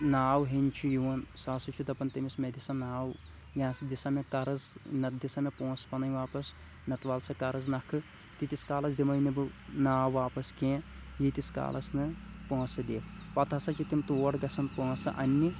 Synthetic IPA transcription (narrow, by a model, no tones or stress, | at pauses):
naːwɦinʲt͡ʃʰujuʋɐnsaːsɐt͡ʃʰud̪ɐpɐnt̪ɐmismed̪isɐnaːw | jãːsd̪isɐmekɐɾɨznɐd̪isɐmepõːspɐnɐjʋaːpɐs | nɐt̪ʋaːlsɐkɐɾɨznɐkʰɨ | t̪it̪iskaːlɐsd̪imɐjnibɨnaːwaːpɐskẽːjit̪iska̰ːlɐsnɨpõːsɨd̪ipɐt̪ʰɐsɐt͡ʃʰit̪imt̪oːɽɡɐsɐnpõːsɨ̰ʔɐnʲːi